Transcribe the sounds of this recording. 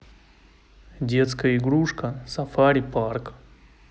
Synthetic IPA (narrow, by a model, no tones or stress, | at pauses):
dʲet̪skɐiɡɾuʂkɐsɐfaɾʲipaɾk